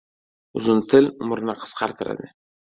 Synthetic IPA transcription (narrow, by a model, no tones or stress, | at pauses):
ʊzʊnt̪ʰɪlʊmɾnaqʰə̥sqʰɑɾt̪ʰɪɾa̰d̪ɪ